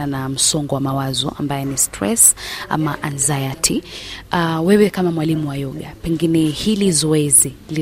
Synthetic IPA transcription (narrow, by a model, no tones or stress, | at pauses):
anam̩sɔŋɡɔwamawazɔ̰ʔa̰mbajɛnistʰɾɛsa̰maʔanzajatʰiawɛwɛkamamwalimuwajɔɠapɛŋɡinɛhilizɔɛzili